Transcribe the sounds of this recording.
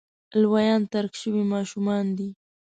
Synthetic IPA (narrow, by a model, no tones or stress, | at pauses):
lwajɑnt̪aɾkʃəwimɑʃʊmɑnd̪i